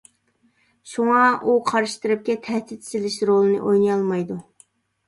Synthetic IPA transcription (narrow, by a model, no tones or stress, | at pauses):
ʃuŋɑʔuqʰɑɾɨʃt̪ɨɾɨp̚kʲɛt̪ʰɛht̪ɪt̪sɪlɪʃɾolˠɨnɨ̰ʔojnɨjɑlˠmɑjd̪u